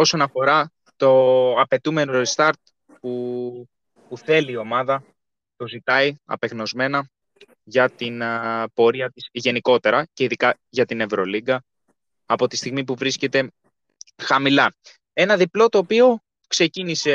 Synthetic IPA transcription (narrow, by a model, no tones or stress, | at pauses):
o̞so̞nɐfo̞ɾɐ | t̪o̞ɐpe̞t̪ume̞noɾist̪ɐɾt̪̚ | pu | puθe̞liːo̞mɐðɐ | t̪o̞zit̪ɐiɐ̰pe̞ɣno̞zme̞nɐ | ʝɐt̪inpo̞ɾiɐt̪isʝe̞niko̞t̪e̞ɾɐce̞iðikɐ | ʝɐt̪ine̞vɾo̞liɡɐː | po̞t̪ist̪iɣmipuvɾisce̞t̪e̞ | xɐmilɐ | e̞nɐðiplo̞t̪o̞ːpio̞ | kse̞cinise̞